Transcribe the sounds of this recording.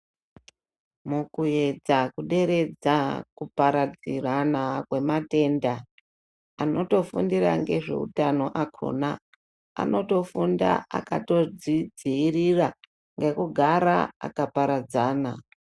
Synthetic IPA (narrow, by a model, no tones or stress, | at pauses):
mukuje̞d͡zakuɗe̞ɾe̞d͡zakupaɾad͡ziranakwe̞mate̞nda | ano̞to̞fundiraŋɡe̞ʐe̞̰ṵtano̞ʔakʰo̰ːna | a̰no̞to̞funda̰a̰kato̞d͡zid͡ziirira | ŋɡe̞kuɡʱaɾa̰a̰kapaɾad͡zaːna